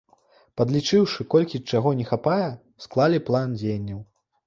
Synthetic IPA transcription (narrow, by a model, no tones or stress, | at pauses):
pɐd̪lʲit͡ʂɨwʂɨkɔlʲkʲit͡ʂaɣɔnʲɛxapajɛ | sklˠalʲiplˠand͡zʲejnʲːɐw